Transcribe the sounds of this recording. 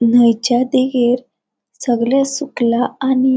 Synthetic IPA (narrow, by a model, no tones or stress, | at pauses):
nəjt͡ɕjad̪eɡeɾ | səɡljasuklaːni